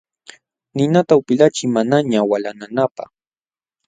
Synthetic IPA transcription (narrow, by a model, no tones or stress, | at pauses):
nɪnat̪aʊpɪlat͡ʃɪmanaɲawalananapa̰χ